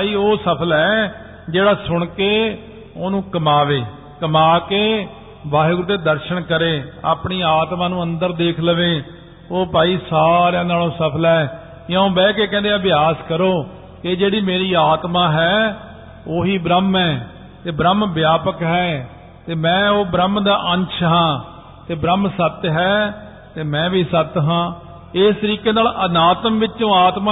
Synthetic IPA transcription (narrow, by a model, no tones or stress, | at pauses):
aːiːoːsəpʰəlɦɛː | d͡ʒeːɽaːsʊɳ̃keː | oːnũːkəmaːʋeː | kəmaːkeː | baːɦɡʊɾt̪ːeːd̪əɾʃəɳkəɾeːa̰ːpɳiːaːt̪mãːnũːə̃nd̪əɾd̪eːkʰləʋeː | oːpaːiːsaːɾɛ̃ːnaːlõːsəpʰəlɛː | jãõːbɛːkeːkɛ̃ːnd̪eəbɪjaːskəɾoː | keːd͡ʒeːɽiːmeːɾiːaːt̪mãːɦɛː | oːɦiːbɾəmɛː | t̪eːbɾəmbjaːpəkɦɛː | t̪eːmɛ̃ːoːbɾəmd̪aːʔənt͡ʃʰɦãː | t̪eːbɾəmsət̪ɦɛː | t̪eːmɛ̃ːbʱiːsət̪ɦãː | ɪst̪əɾiːkeːnaːlənaːt̪əmʋɪt͡ʃt͡ʃõːaːt̪maː